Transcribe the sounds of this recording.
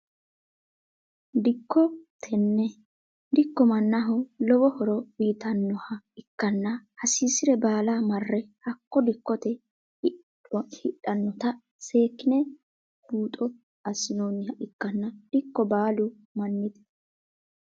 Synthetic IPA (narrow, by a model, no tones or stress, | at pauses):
d̪ɪkːɔt̪ʰɛnːɛ | d̪ɪkːɔmɐnːaɦɔlɔbɔhɔɾɔwiːt̪ɐnːɔhɐ | ɪkːɐnːɐhɐsiːsɪɾɛbaːlaːmɐrːɛhɐkːɔd̪ɪkːɔt̪ɛ | hɪɗɐnːɔt̪ɐ | se̞ːkːɪnɛ | b̥uːt̪ʼɔ | ɐsɪnoːnɪhɐʔɪkːɐnːɐd̪̥ɪkːɔbaːlu | mɐnːɪd̪ɛ̥